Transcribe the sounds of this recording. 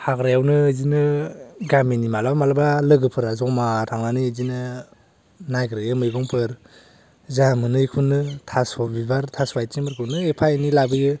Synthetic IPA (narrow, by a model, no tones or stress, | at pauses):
haɡɾajawnɯzinɯɡaminimalabamalabalɯɡɯpʰɯɾazɔmaɾaŋanɯzinɯ | najɡɾɯjɯmɯjɡɔŋpʰɯɾ | zamɯnɯjkʰunːɯtʰasɔbibaɾtʰaswajt͡ʃimɯɾkʰɯnɯepʰajnilabɯjɯ